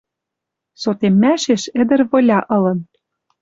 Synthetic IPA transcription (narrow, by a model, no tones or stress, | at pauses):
sot̪emːæʃeʃɘ̆d̪ɘ̆rβɤ̆lʲɑʔɤ̆lɤ̆n